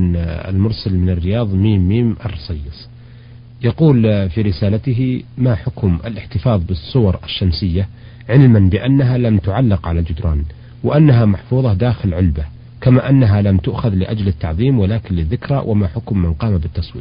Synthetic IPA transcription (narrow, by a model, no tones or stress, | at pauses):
ɪ̰lmʊɾsalmɪnɪrːɪjɑːðˤmiːmːiːmʔɑ̰rˤːɑsˤɑjːɪsˤ | jɑquːlfiːɾɪsaːlat̪ɪɦimaħʊkmɪ̰lɪħt̪ɪfɑːðˤbɨsˤːʊwɑɾˤʔɪʃːamsɪjːa | ʕɪlmanbɪʔanːaɦalamt̪ʊʕalːɪqʕalald͡ʒʊd̪ɾˤɑ̰ːn | wɪʔanːaɦamaħfuːðˤɑd̪aːxɪlʕʊlba | kamaːʔanːaɦalamt̪ʊʔxaðlɪʔad͡ʒlɪt̪ːɑʕðˤiːmwalaːkɪnlɪðːɪkɾˤa̰wʔamaħʊkmːanqɑːmabɪt̪ːɑsˤwiː